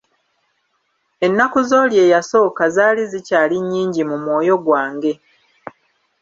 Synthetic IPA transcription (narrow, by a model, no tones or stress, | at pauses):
e̞nːakuzo̞ːlje̞ːjaso̞ːkazaːlizicaːliɲːiːɲɟimumwo̞ːjo̞ɡwaːŋɡe̞